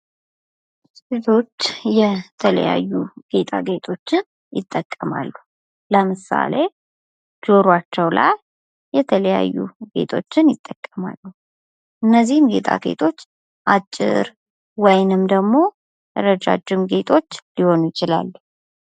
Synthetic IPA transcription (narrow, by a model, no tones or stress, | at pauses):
et̪ʰo̞t͡ʃːjɛt̪ʰələ̰ja̰jːuɡ̥e̞t̪ʼʰaɡe̞t̪ʰʼo̞t͡ʃːɪn | jɪt̪ʼːəkʼːəma̰lːu | ləmɨsa̰le̞ | d͡ʒo̞ɾwat͡ʃːɛwla̰j | jɛt̪ʰələja̰jːṵɡe̞̰t̪ʰʼo̞t͡ʃːɪnjɪt̪ʼːəkʼːəma̰lːu | ʔɨnːəzːihɨmɡe̞̰t̪ʰʼa̰ɡe̞̰t̪ʰo̞t͡ʃː | ʔat͡ʃʼːɪ̰ɾ | wɔjnɨmd̪əɡmo̞ | əɾəd͡ʒa̰d͡ʒːɪmɡe̞t̪ʰʼo̞t͡ʃːliho̞njɪt͡ʃɪla̰lːu